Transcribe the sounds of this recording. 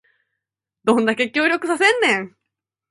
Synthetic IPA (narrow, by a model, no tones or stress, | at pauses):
d̪õ̞nd̪akekʲo̞ːɾʲo̞kɯ̟sasẽ̞nːẽ̞ŋ